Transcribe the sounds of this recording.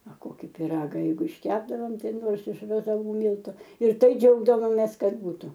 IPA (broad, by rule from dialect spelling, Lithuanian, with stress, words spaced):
ɐ ˈkoːkʲɪ pʲɪˈrɑːɡɐ ˈjɛɪɡʊ ɪʃʲˈkʲæːbdɐʋoːm ˈtɐɪ ˈnoːrs ɪʃ rɐzɐˈʋuː ˈmʲiːlˠtʊ ɪr ˈtɐɪ ˈd͡ʒʲɛʊɡdɐʋoːmʲeːs ˈkɐt ˈbuːtʊ